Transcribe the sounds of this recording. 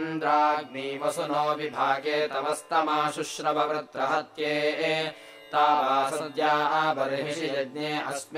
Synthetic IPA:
nd̪ɾaːɐɡ̚niːʋɐsunoːʋibʱaːɡeːt̪ɐʋɐst̪ɐmaːʃuʃɾɐbʱɐʋɾɐt̪ɾɐɦɐt̪jeːeː | t̪aːpaːsɐd̪jaːɐbɐɾɐɦiʃijɐd̪neːɐsm

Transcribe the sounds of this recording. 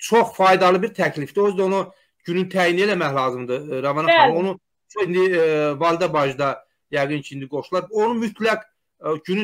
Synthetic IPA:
t͡ʃʰoχfɑjd̪ɑlˠɯbiɾt̪ʰæclifd̪iozd̪æo̞nu | ɟynynt̪ʰæjine̞læmæçlˠɑːzɯmd̪ɯɾɑvɑnɑonu | t͡ʃʰoind̪ivɑlˠd̪ɑbɑʒd̪ɑ | jæɡɯncʰiind̪iɡo̞ʃulˠɑɾbonumyt̪ʰlæɡ | ɟyny

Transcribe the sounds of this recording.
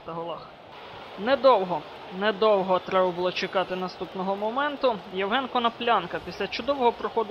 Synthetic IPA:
t̪ɐɦɔlˠɑx | nɛd̪ɔwɦɔ | nɛd̪ɔwɦɔt̪ɾɛbɐbʊlˠɔt͡ʃekɑt̪ɪnɐst̪upnɔɦɔmɔmɛnt̪ʊjɛwɦɛnkɔnɐplʲɑnkɐpʲisʲlʲɐt͡ʃʊd̪ɔwɔɦɔpɾɔxɔd̪

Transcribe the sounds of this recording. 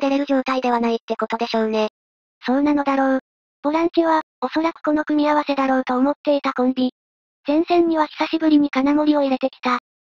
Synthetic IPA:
d̪e̞ɾe̞ɾɯ̟ʑo̞ːt̪aid̪e̞β̞anait̪ːe̞ko̞t̪o̞d̪e̞ɕo̞ːne̞ | so̞ːnano̞d̪aɾo̞ː | b̥oɾãŋkʲiβa | o̞so̞ɾakɯ̟̥ko̞no̞kɯ̟mʲiaβ̞ase̞d̪aɾo̞ːt̪o̞ːmo̞t̪ːe̞it̪akõmbʲi | z̥ẽ̞ɰ̃sẽ̞ɲ̟ɲːiβaçʲi̥saɕibɯ̟ɾʲiɲ̟ikanamo̞ɾʲio̞iɾe̞t̪e̞kʲi̥t̪a

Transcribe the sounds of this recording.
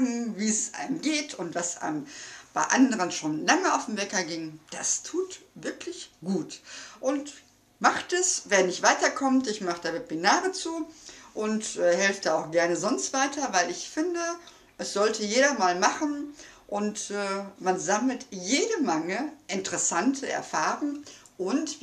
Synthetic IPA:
ɡŋ̩viːɛsʔa̰ɪnəmɡeːtʰʊntv̥asʔa̰ɪnəmb̥a̰ɪʔandəʁ̞ənʃoːnlaŋəaʊfm̩vɛkɐɡɪŋd̥astʰuːtv̥ɪɐklɪçɡ̥uːtʔʊnt | maχtɛsveːɐnɪçtv̥aɪtɐkʰɔmtɪçmaχəd̥aːveb̥inaːʁət͡suːʔʊntɛːhɛlftd̥aaʊxɡ̥ɛɐnəzɔnstv̥aɪtʰɐvaɪlɪçfɪndə | ʔɛsz̥ɔltəjeːɾɐmaːlmaχn̩ʔʊntɛːmanzaml̩tjeːdəmɛŋəʔɪntəʁɛsantʰəʔɛ̰ɐfaːʁʊŋ | ʔʊnt

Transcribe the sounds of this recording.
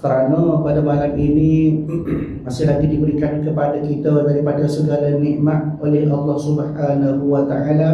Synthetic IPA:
kəɾanə̃padamalaminĩ | masɪɦlaɡidibəɾikankəpadakit̪ədaɾipadasəɡalaniʔmat̪̚olɛɦɑlːɑhsubħanaɦuwat̪aʔala

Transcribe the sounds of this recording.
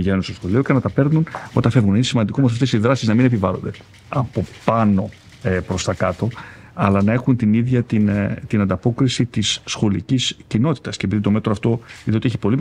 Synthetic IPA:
iʝenunst̪o̞sxo̞lio̞cenɐt̪ɐpeɾnunot̪ɐfe̞vɣunɐinesimɐnd̪ikomosɐft̪e̞siðɾɐsiznɐmine̞pivɐlo̞nd̪e | ɐpo̞pɐno̞ | epɾost̪ɐkɐt̪o̞ | ɐlɐnɐe̞xunt̪iniðʝɐt̪int̪inɐnd̪ɐpo̞kɾisit̪isːxo̞liciscino̞t̪i̥t̪ɐscep̬iðit̪o̞me̞t̪ɾoɐft̪o̞iðeot̪ieçi̥po̞lim

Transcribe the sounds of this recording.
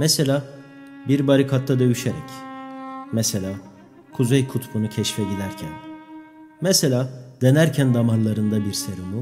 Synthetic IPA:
mɛse̞lʲaː | biɾbaɾikʰat̪ʰːad̪ø̞jyʃeɾɛ̰c | mɛse̞lʲaː | kʰuzɛjkʰut̪bunucʰɛʃfɛɟid̪æɾcʰæn | mɛse̞lʲaːd̪̥e̞næɾcʰænd̪amanlˠaɾɯnd̪abiɾseɾumu

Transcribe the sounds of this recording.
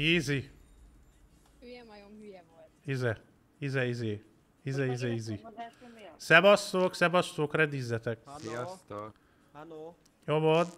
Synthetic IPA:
iːzi | izɛ | izɛizeː | izɛizɛizi | sɛbɒsːoːksɛbɒst̪oːkrɛd̪iːzːɛt̪ɛk̪̚ | jovod̪

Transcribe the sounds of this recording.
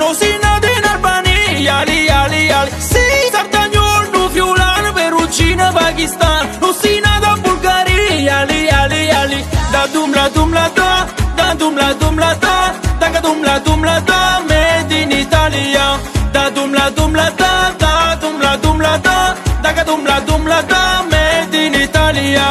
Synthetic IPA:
nosinad̪inalbanijalialialisisaɾt̪aɲɔlnuvjulanbeɾud͡ʒinabaɡist̪annosinaðabulɡaɾijalialialid̪ad̪umlad̪umlat̪ad̪ad̪umlad̪umlat̪ad̪akad̪umlad̪umlat̪amɛd̪init̪aliad̪ad̪umlad̪umlat̪ad̪ad̪umlad̪umlat̪ad̪akad̪umlad̪umlat̪amɛd̪init̪alia

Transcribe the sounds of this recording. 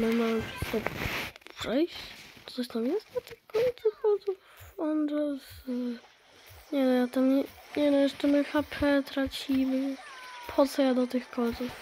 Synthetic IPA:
mɘmampɛst̪ɔpʂɛjɕt̪sɔɕt̪amjɛst̪d̪ɔt̪ɨxkɔɲt̪suxɔzufɔnʐɛs | ɲɛnɔjat̪amɲɛɲɛnɔjɛʂt͡ʂɛmɘxapʰɛt̪ɾat͡ɕimɘpʰɔt̪sɔjad̪ɔt̪ɨxkɔɲʲt̪suf

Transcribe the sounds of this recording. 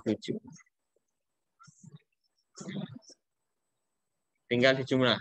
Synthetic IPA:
t̪u̥d͡ʒ̥u | t̪iŋɡald̪i̥d͡ʒ̥umla

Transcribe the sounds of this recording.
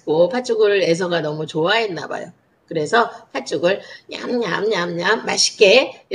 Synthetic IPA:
kopʰat͡ɕ͈uɡɯɭe̞s̬ʰʌɡanʌmut͡ɕoaɦenːa̰ba̰jo̰ | kɯɾe̞sʰʌpʰat͡ɕ͈uɡɯɭɲa̰mɲamɲamɲamːaɕʰi̥k͈e

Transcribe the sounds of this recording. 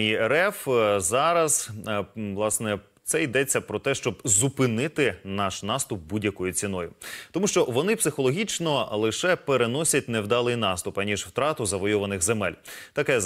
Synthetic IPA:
iɛɾɛfzɑɾɐz̥ | ʋlˠɑsnɛ | t̪sɛid̪ɛt͡sʲːɐpɾɔt̪ɛʃt͡ʃɔbzupɪnɪt̪ɪnɑʃnɑst̪ʊp̚budʲjɐkɔjʊt͡sʲinɔjʊt̪ɔmuʃt͡ʃɔʋɔnɪpsɪxɔlˠɔɦʲit͡ʃnɔlˠɪʃɛpeɾenɔsʲɐt̚ʲnewd̪ɑlˠɪjnɑst̪ʊpɐnʲiʒwt̪ɾɑt̪ʊzɐʋɔjɔʋɐnɪxzemɛ̰lʲt̪ɐkɛ

